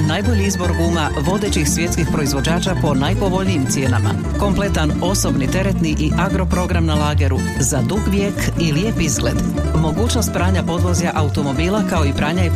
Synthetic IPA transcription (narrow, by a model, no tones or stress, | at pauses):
najbo̞ʎiizbo̞ɾɡuːma | ʋo̞d̪et͡ɕixsʋje̞t̪skixpɾo̞izʋo̞d͡ʑaːt͡ʃapo̞najpo̞ʋo̞ʎnijːmt̪sje̞ːnama̰ | ko̞mple̞t̪an | o̞so̞bnit̪e̞ɾe̞t̪niʔiʔaɡɾo̞pɾo̞ɡɾamnalaːɡe̞ɾu | zad̪uɡʋjekiljeːpizɡlḛd̪ | mo̞ɡuːt͡ʃno̞st̪̚pɾaːɲapo̞d̪ʋozjaʔaut̪o̞mo̞biːlˠakao̞ipɾaːɲaje